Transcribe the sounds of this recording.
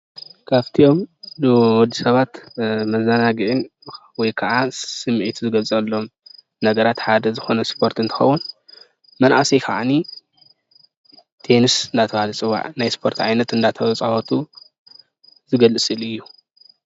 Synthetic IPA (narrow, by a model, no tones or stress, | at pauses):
kʰaβt̪ʰio̞mdwɔd̪ːisɐβat̪mɐzːɐnaɡɨʕɨn | wɔjkʰɐʔasɨmʕit̪ʰuzɨɡɐlt͡sʼɐlːo̞m | nɐɡɐɾat̪ħad̪ɐzɨxo̞nɐspʰo̞ɾt̪ɨnt̪ʰɨ̥xɐwːun | mɐnʔa̰sejkʰa̰ʕa̰ni | t̪ʰe̞nɨsɨnd̪at̪ʰɐβhalɐt͡sʼɨwːa̰ʕnajspʰo̞ɾt̪ʕa̰jnɐt̪ɨnd̪at̪ʰɐwɐt͡sʼawot̪ʰu | zɨɡɐlɨsʼɨlɨjːu